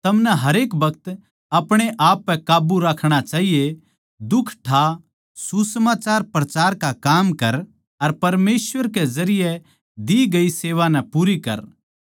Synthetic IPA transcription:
t̪ɐmnɛɦɐɾeːkbɐkt̪ | ɐpɽ̃eʔaːpːɛkaːbuɾaːkʰɽ̃at͡ʃaːɦije | d̪ʊkʰʈʰa | susəmaːt͡ʃaːɾpɾɐt͡ʃaːɾkakaːmkɐɾ | ɐɾpɐɾmeːsʋəɾkezɐɾɪjɛ | d̪iɡɐiseːʋanɛ̃puːɾikɐ̰ɾ

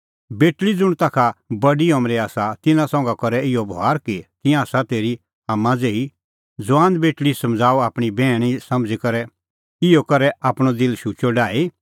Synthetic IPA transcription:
beːʈlid͡zʊɽ̃t̪aːkʰabɐɖiɔmɾiaːsat̪ɪnãsɔ̃ːŋɡakɐɾɛɪɔbʱoaːɾkit̪ɪ̃jãːsat̪eːɾi | aːmːãd͡zeːi | d͡zʊãːnd̪beːʈɭisɐ̃md͡zaːuaːpɽ̃ibɛːɽ̃isɐmd͡zikɐɾɛ | ɪjɔkɐɾɛʔaːpɽ̃ɔd̪ɪlʃuːt͡ʃɔɖaːi

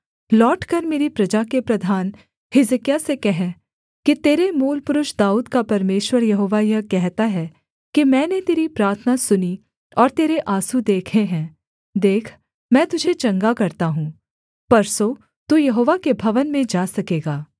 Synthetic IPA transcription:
lɔːʈkɐɾmeːɾipɾɐd͡ʒakepɾɐd̪ʱaːn | hɪzəkijasekɛɦɛ | kit̪eːɾemuːlpʊɾʊʃd̪aːuːd̪kapɐɾmeːʃwəɾjɐɦoːʋajɐkɛɦt̪aɦɛ | kimɛ̃ːnet̪eːɾipɾaːɾt̪ʰənasʊni | ɔːɾt̪eːɾeʔaːsud̪eːkʰẽɦɛ̃ː | d̪eːkʰ | mɛ̃ːt̪ʊd͡ʒʱet͡ʃɐ̃ŋɡakɐɾt̪aɦũː | pɐɾso | t̪uːjɐɦoːʋakebʱɐʋənmẽd͡ʒaːsɐkeːɡaː

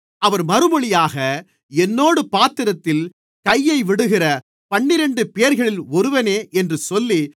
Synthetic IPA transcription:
ʔɐʋɐɾmɐɾɯmɔɭɪjaːɣɐ | ɛnːoːɽɯpaːt̪ɪɾɐt̪ːɪl | kɐjːɐɪʋɪɽɯɣɪrɐ | pɐɳːɪɾɛɳɖɯpejɐɾɣɐɭɪlɔɾɯʋɐneːʔɛndrɯsɔlːi

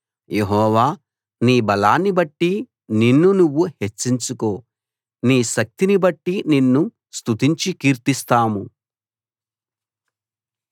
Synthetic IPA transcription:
je̞ɦɔːʋaː | niːbɐlaːnːibɐʈːi | ninːunuʋːuhe̞t͡ʃːiɲt͡ʃuko̞ː | niːʃɐk̚t̪inibɐʈːininːu | st̪ut̪iɲt͡ʃikiːɾt̪ist̪aːmu

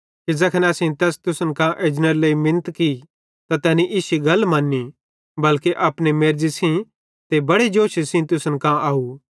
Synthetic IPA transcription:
kid͡ʒɐkʰənɐsĩt̪ɛːst̪ʊsənkãʔeːd͡ʒnəɾleːimɪnt̪ki | t̪at̪ɛːniʔːʃiɡɐlmãːnːi | bɐlkeʔɐːpnemeːɾd͡ʒisĩ | t̪ebɐɽed͡ʒoːʃisĩt̪ʊsənkãʔaːu

